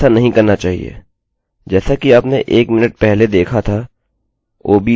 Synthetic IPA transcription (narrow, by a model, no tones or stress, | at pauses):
anɐɦĩkɐɾnat͡ʃaːɦḭḛː | d͡ʒɛːsakiaːpneʔeːkmɪnəʈ̚pɛɦled̪eːkʰat̪ʰa | ʔoːbʱi